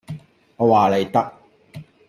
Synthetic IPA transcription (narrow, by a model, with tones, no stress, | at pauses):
ɔ˨˧waː˨˩le˨jt̪ɐ˦˥k̚